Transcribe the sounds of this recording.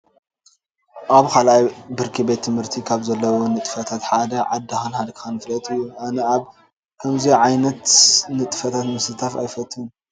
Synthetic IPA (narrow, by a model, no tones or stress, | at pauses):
ʔaβkʰalʔajbɨɾkʰibe̞t̪ʰːɨmhɨɾt̪ʰikʰaβzɐlːɐwonɨt̪ʼɨfɐt̪ʰat̪ħad̪ɐʕad̪ːɐxanhad̪kʰxanfɨlɐt̪ʼɨjːuʔanɐaβ | kʰɐmziʕajnɐt̪nɨt̪ʼɨfɐt̪ʰat̪mɨsɨt̪ʰafa̰jfɐt̪ːɨhun